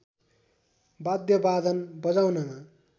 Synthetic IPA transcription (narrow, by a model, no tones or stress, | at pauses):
bad̪jʌbad̪ʱʌnbʌd͡zawnʌma